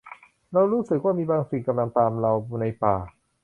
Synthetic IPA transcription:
ɾa˧wɾuː˦˥sɯ˨˩k̚waː˥˩miː˧baː˧ŋsi˨˩ka˧mla˧ŋt̪aː˧mɾa˧wuː˧na˧jpaː˨˩

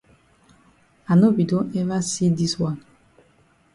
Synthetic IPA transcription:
a˨no˦bi˨dõ˦nɛ˦va˦si˦di˦swã˦n

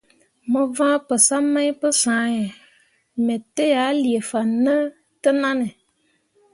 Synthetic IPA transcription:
mə˨vã˦pə˨sa˦mã˦i˦pə˦sã˨˦jɛ˨ | mɛ̃˨te˦ja˨˦li˨e˨fa˨nə˦ | tə˦nã˦nə˨

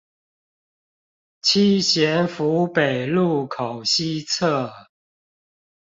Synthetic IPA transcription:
t͡ɕʰi˥ɕjɛ˨˧˥nfu˧˦pe˨˩ɪlu˥˩kʰo˨˩ʊɕi˥˦t͡sʰɤ˥˩

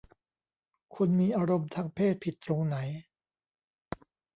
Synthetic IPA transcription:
kʰu˧nmiː˧ʔaː˧ɾo˧mt̪ʰaː˧ŋpʰeː˥˩t̪̚pʰi˨˩t̪ːɾo˧ŋna˩˦j

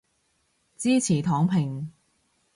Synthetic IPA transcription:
t͡siː˥t͡sʰiː˨˩t̪ʰɔː˨˥ŋpʰɪ˨˩ŋ

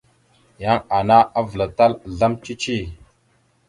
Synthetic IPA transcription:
ja˦ŋa˨na˦a˦və˨la˨ta˦lɮa˦mt͡ʃi˦t͡ʃi˦˨

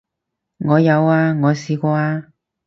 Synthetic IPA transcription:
ŋɔː˨˧jɐ˨˧waː˧ŋɔː˨˧siː˨˧kʷɔː˧aː˧

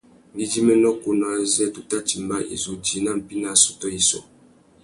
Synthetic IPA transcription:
ɡi˦d͡ʒi˦mɛ˦nɔ˦ku˦nɔ˨a˨zɛ˦tu˦ta˦ti˨mba˦ʔḭ˨zo˨d͡ʒi˨˦na˦˨m̩˨pi˦na˦˨sɔ̥˨tɔ˦i˨sɔ̰˨

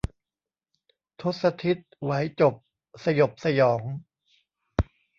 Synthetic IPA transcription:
t̪ʰu˦˥t̪̚sa˧t̪ʰi˦˥t̪̚wa˩˦jt͡ɕo˨˩p̚ | sa˧jo˨˩p̚sa˧jɔː˩˦ŋ

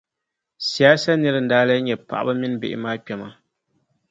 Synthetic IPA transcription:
si˨aː˦sa˦nɨ˦ɾɨ˨n̩˨daː˦la˦ɲɛ˨pa̰˨ʔa̰˦ba˦mɪ˦n˦bḛ˨ʔɪ̰˨maː˦k͡pʲɛ˨ma˨

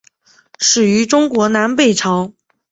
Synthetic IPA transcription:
ʂɻ̩˨˩y˧˥ʈ͡ʂʊ˥ŋkwɔ˧˥na˧˥npe˥˩ɪʈ͡ʂʰɑ˧˥ʊ

